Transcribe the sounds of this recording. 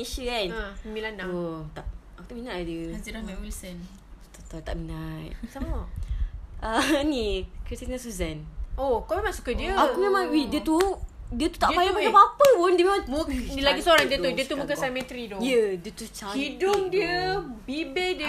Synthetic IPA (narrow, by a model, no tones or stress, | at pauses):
eʃəansəmilanaot̪a | aut̪uminaʔdjəad͡ʒilamɛwilsən | t̪ot̪ɔt̪aʔminat̪̚samɔ | ənikɾistinasuzanokamemãŋsu̥kədiəakmemãŋwidiət̪udiət̪u̥t̪aʔpajapajapapəpundiəmemãŋilaɡisoɾaŋdiət̪udiət̪uəkəanmɛ̃t̪ɾidɔjədiət̪ut͡ʃaidʊŋdiəbibɛdə